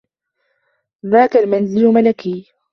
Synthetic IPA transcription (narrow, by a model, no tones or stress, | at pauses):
ðaːkalmanzɪlmalakiː